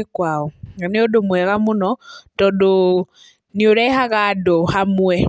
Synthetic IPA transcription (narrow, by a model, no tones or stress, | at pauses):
ekwaɔaneodomwɛɣamʊnɔtɔdo | nioɾɛhaɣadɔhamwɛ